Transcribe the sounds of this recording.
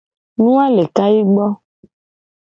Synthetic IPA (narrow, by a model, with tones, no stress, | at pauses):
nũ˦a˦le˨ka˦ji˦ɡ͡bɔ˦